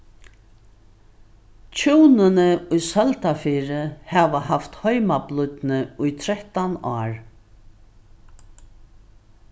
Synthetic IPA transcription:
t͡ɕʰuːwnɪnɪʊjsœlt̪afiːɾɪhɛʋahaft̪hœʏmablʊt̪nɪʊjt̪ʰɾɛht̪anaːɹ

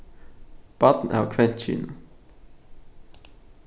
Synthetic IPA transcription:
b̥ɑt̪n̩ʔæ̰ːʋkʰʋɛnt̪t͡ʃy̰ːn̩

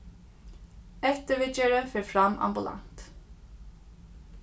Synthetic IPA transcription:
ɛt̪əʋɪt͡ʃəɹəfɛɹfɹamʔa̰mbʊlʔa̰nt̪

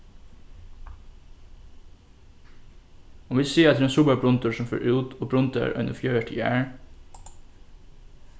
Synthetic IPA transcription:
ɔmʋɪsiːɑt̪ːɾensʊbəbʰɾʊnt̪ʊɹsɔmfø̰ːɾʔʉːt̪ʰoːbɾʊnt̪ə̰ɾʔœ̰ʏnʔəfjøːəʈʰɪjæːɹ

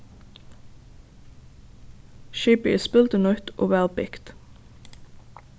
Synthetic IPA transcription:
ʃɪpɪ̰spɪlt̪ənœt̪ʔo̰ːʋæːʁpɪkt̪

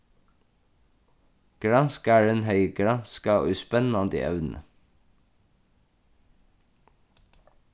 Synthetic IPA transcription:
ɡ̥ɹɑnskæːɖɛnhœʏəɡɹɑnskɑːʔʉspɛnɑnd̪ḭːʔœ̰ʋnn̩ə̰

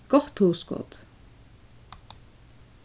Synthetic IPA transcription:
ɡ̥ɔχt̪huːskɔ̰t̪

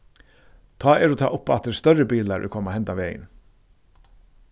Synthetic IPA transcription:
t̪ʰɑːɛɾuːt̪ʰɑ̰ːʔʊpːat̪d̪ɛst̪œrəbiːlaɾʔɛ̰kʰɔːmahɛnt̪aʋeɪə̰n

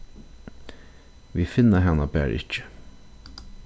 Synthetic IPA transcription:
ʋiːfɪnːəɦɑnabæ̰ːɾʔɪ̰t͡ʃə̥

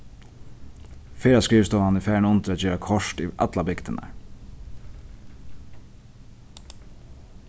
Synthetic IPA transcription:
feːɾaskɾiːʋst̪ɔnanɪfæɹnʊnt̪ɾat̪d͡ʒøːɾakʰɔʂtiʔa̰t̪labɪkt̪ɪna̰ɹ

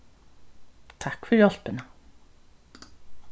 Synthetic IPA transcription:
t̪ʰakfʏɾjɔɬpɪna

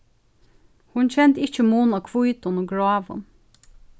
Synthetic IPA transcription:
hʊnt͡ɕʰɛnt̪ɪt͡ʃəmuːnakʰvujt̪ʊnʊɡɹaːʋʊ̰n

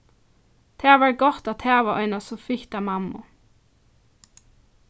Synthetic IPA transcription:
t̪ʰeːʋəɹɡɔt̪ɑt̪ʰeːʋəœ̰ʏnɑsɔfɪçd̪̥æmɑmʊ̰

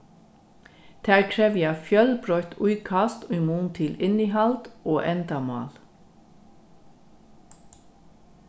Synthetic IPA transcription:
d̪̥æːɾkʰɹɛʋjæːfjœlbɹɔʏt̪ʰʉʏkʰɑst̪ʉʏmuːnt̪ʰɪlɪniːhɑld̪ʔoːʔɛnd̪ɑmɑ̰ːl

